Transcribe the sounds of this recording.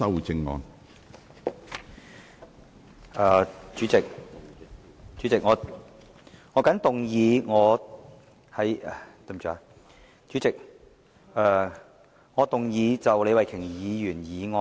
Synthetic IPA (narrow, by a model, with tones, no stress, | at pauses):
ɐ˥wu˨˩t͡sɪ˧ŋŋɔ̰ː˧n | ɐː˨˧t͡ʃyː˨˥t͡sɪ˨k̚ | t͡ʃyː˨˥t͡sɪ˨k̚ŋɔː˨˧ | ŋɔː˨˧˥kɐ˨˥nt̪ʊ˨ŋjiː˨˧ŋɔː˨˧ | hɐ˨˥jɛ˨t̪o˧˩m˨t͡ʃʰːa˨˧ | t͡ʃyː˨˥t͡sɪ˨k̚ | ɛː˧ | ŋɔː˨˧t̪ʊ˨ŋjiː˨˧t͡sɐ˨wle˨˧jwɐ˨jkʰɪ˨˩ŋjiː˨˧jyː˨˩njiː˨˧ŋɔː˧